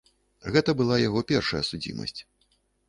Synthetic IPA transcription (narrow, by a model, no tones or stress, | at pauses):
ɣɛt̪ɐbɨlˠajaɣɔpʲɛrʂɐjɐsud͡zʲḭmɐ̰sʲt͡sʲ